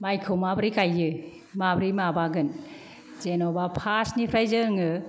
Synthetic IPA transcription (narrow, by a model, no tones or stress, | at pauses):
majkʰɯwmabɾikajːɯ | mabɾimabaɡɯn | zenɔbapʰasnipʰɾajzɯŋɯ